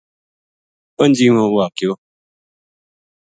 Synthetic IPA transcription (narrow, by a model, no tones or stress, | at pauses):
ən̩d͡ʒiŋɔ̃wakjo